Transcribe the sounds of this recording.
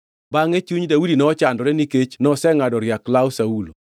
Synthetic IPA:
baŋet͡ʃuɲdaudinɔːt͡ʃandɔɾɛniket͡ʃnɔsɛŋadɔɾjaklawsaulo̰

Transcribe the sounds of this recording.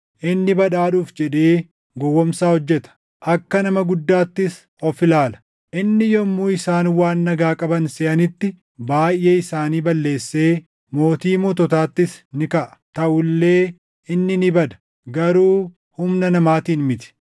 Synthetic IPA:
ʔɪnːɪbɐᶑaːᶑuːfd͡ʒɛᶑeː | ɡɔwːɔmsaːhɔd͡ʒːɛt̪ɐ̥ | ʔɐkːɐnɐmɐɡʊd̪ːaːt̪ːɪs | ɔfɪlaːlɐ̥ | ʔɪnːɪjɔmːuːɪsaːnwaːnːɐɡaːkʼɐbɐnsɛʔɐnɪt̪ːɪ | baːjʔʔːe̞ːɪsaːniːbɐlːe̞ːsːe̞ː | mo̞ːt̪iːmɔt̪ɔt̪aːt̪ːɪsnɪkɐʔɐ̥t̪ɐʔʊlːe̞ː | ɪnːɪnɪbɐd̪ɐ̥ | ɡɐɾuː | hʊmnɐnɐmaːt̪iːnmɪt̪ɪ̥

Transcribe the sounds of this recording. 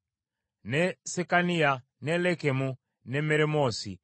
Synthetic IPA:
nɛsɛkania | nɛlɛkemu | nɛmeɾemɔsḭ

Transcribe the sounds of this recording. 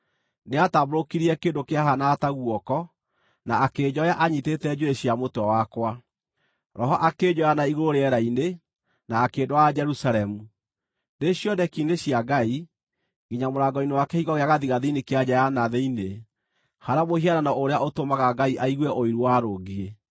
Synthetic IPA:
neataboɾokiɾiɛkeːndokeaɦanaːtaɣwɔkɔ | naːked͡ʑɔjaʔaɲitetɛd͡ʑoeɕjamotɔwakwa | ɾɔɦɔʔaked͡ʑɔjanaiɣoɾoɾeɛɾaine | naːkedoad͡ʒɛɾusaɾɛmu | neɕjɔdɛkineɕjaɡai | ɡiɲamoɾaɡɔinewakɛhiɣɔɣeaɣaðiɣaðiinekead͡ʑajanaðɛine | haɾamohiananaoɾeaotomaɣaɡaiʔaiɣwɛʔoiɾuwaɾoɣie

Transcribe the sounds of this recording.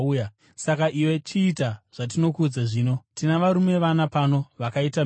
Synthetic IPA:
ja | sakaʔiwe̞t͡ʃiːtaʐ̥at̬ino̞kud͡zaʐiːno̞tinaʋaɾume̞ʋanapano̞ʋakaita

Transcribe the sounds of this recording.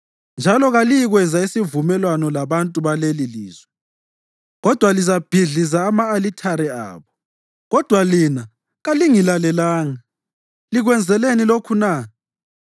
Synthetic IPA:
nd͡ʒʱalɔɣalijiɣwɛzaisivumɛlwanɔlaβantʼuβaleliliːzwɛ | ɣɔd̥ʱwalizab̥ʱiɮizaːmaːlitʰaɾɛa̰ːβɔ | ɣɔd̥ʱwalina | ɣaliŋilalɛlaːŋa | liɣwɛnd͡zʱɛlenilokʰuna

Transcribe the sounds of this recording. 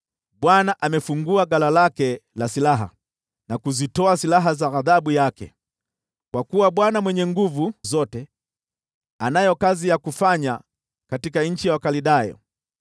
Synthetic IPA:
ɓwanaʔamɛfuŋɡuaɡalalakɛlasilaɦa̰ | nakuzitɔasilaɦazaɣaðaɓujakɛ̰ | kwakuwaɓwanamwɛɲɛŋɡuvuzɔtɛ | anajɔkazijakufaɲa | katikaɲ̩t͡ʃijawakaliɗajɔ̰

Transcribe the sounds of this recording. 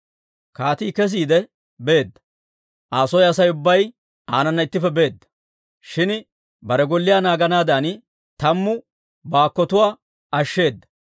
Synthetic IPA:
kaːt̪iːkɛs̬iːd̪ɛ | be̞ːd̪ːɐ̥ | ʔaːsɔjɐsɐjʊbːɐj | aːnɐnːɐɪt̪ːɪfɛbe̞ːd̪ːɐ̥ | ʃɪn | bɐɾɛɡɔlːɪjaːnaːɡɐnaːd̪an | t̪ɐmːʊ | baːkːɔt̪ʊwaː | ɐʃːe̞ːd̪ːɐ̥

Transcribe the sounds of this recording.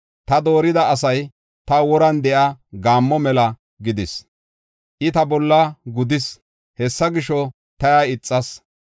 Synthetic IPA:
t̪ɐd̪o̞ːɾɪd̪ɐːs̬ɐj | t̪ɐwɔɾɐnd̪ɛʔaɡaːmːɔmɛlɐ | ɡɪd̪ɪs | ʔɪt̪ɐbɔlːɐɡʊd̪ɪs | hɛsːɐɡɪʃɔ | t̪ɐjaɪt͡sʼːɐs

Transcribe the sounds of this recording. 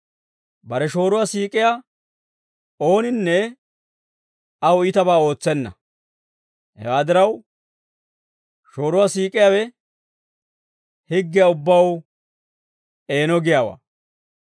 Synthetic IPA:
bɐɾɛʃo̞ːɾʊwasiːkʼɪjaː | o̞ːnɪnːɛ | ɐwɔɪt̪ɐbaːo̞ːt͡sːɛnːɐ̰ | hɛ̰waːd̪ɪɾɐw | ʃo̞ːɾʊwaːsiːkʼɪjaːwɛ | hɪɡːɪjaʊbːɐw | e̞ːnɔɡɪjaːwa̰ː

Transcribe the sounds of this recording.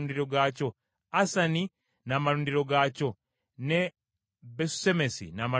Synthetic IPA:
ndiɾo̞ɡaco̞ | asani | namaɾuːndiɾo̞ɡaco̞ | ne | besu̥semesḭnama

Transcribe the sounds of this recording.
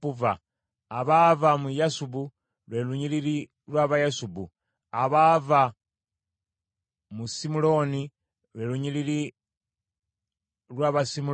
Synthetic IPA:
uvaː | βaːvamujasubu | lweːluɲiliɾi | lwaβajasubu | aβaːva | musimulo̞ni | lweluɲilili | lwaːβasimu

